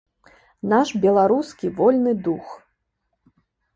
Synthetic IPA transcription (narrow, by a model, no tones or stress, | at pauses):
naʂbʲɛlˠaɾuskʲivɔlʲnɨd̪ux